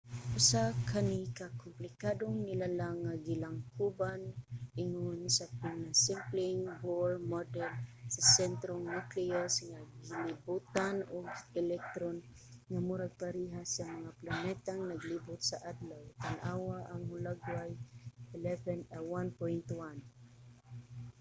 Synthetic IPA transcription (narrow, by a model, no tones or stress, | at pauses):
ʔʊsakʰanikakʊmplɪkad̪oŋnɪlalaŋːaɡɪlaŋkubanʔɪŋonsapɪnasɪmplɪŋboɹmɔd̪ɛlsasɛnt̪ɾoŋnukliosŋaɡɪlɪbut̪anʊɡɛlɛk̚t̪ɾon | ŋamuɾaɡ̚paɾiɦasamaŋaplanɛt̪aŋnaɡlibʊt̪̚saʔad̪lawt̪anʔawaʔaŋmʊlaɡwajɪlɛvɛnawanpɔjnt̪wan